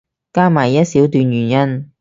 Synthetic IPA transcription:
kaː˥maː˨˩jjɐ˥t̚siː˨˥wt̪yː˧njɥyː˨˩njɐ˥n

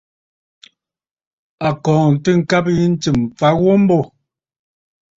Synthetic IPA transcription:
a˨kɔ̃ː˨n̩˨tɨ˦ŋ̩˦ka˦p̚ji˦n̩˦t͡si˨mp͡fa˨˦ɣwo˦m̩˦bɔ˦˨

